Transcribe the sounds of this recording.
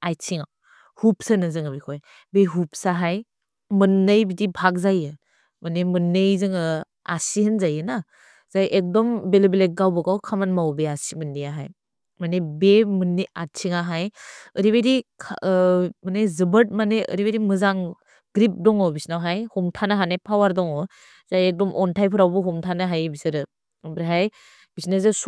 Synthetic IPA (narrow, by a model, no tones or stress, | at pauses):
ajt͡ʃʰiŋa | hup̚sanazɯŋabikʰoj | beɦup̚saɦaj | mɯnːɯjbidibʱak̚zajɯ | manemɯnːejzɯŋɯ | asihɯnzajɯna | z̥ajʔek̚dɔmbelebelek̚ɡawbɔkawkʰamanmawbeasimɯnːijaɦa̰j | manebemɯnːiat̚t͡ʃʰiŋaɦajəɾiβedikʰ | manezɯbəɾt̚maneʔə̰ɾibeɾimɯzaŋ | ɡɾip̚dɔŋɔbisnawɦajhumtʰanaɦanajpʰawaɾdɔŋɔ | zajek̚dɔmʔɔntʰajpʰɯɾawbuɦumtʰanaɦajbisɯɾɯ | bɾɦaj | b̥isnesɯs